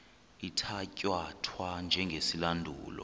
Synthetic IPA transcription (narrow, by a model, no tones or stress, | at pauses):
itʰacʼwatʰwand͡ʒʱɛŋɡʱesilandʱuːlɔ̰